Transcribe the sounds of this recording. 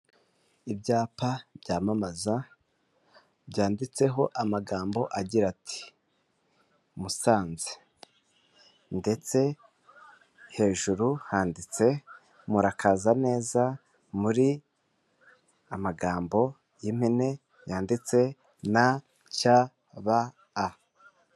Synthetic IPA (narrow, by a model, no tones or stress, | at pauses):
ibɟaːpabɟaːmamaza | bɟaːndit͡se̞ɦo̞ʔamaɡaːmbo̞ʔaɟiɾatʰi̥ | musaːnze̥ | nde̞t͡se̞ | he̞ːʒuɾuhaːndit͡se̞ | muɾakʰaːzane̞ːza | muɾi | amaɡaːmbo̞ | jim̥hine̞ | jaːndit͡se̞ | na | ca | βaː